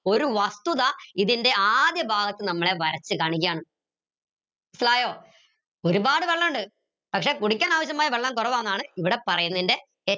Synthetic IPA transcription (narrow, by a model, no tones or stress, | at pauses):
o̞ɾuʋɐst̪uðaiðinde̞aːd̪jɐbʱaːɡɐt̪ːɨnɐmːɐɭe̞ʋɐɾɐt͡ɕːɨkaːɳik̬ʲːaːɳɨ | isɐlaːjo̞ː | o̞ɾubaːɽɨʋeɭːɐmuɳɖɨ | pɐkʂe̞ːkuɽik̬ʲːaːnaːʋɐɕ̬jɐmaːjʋeɭːaːmkurɐʋaːwunːðaːɳɨiʋiɽe̞pɐrɐjunːɐðinde̞ | e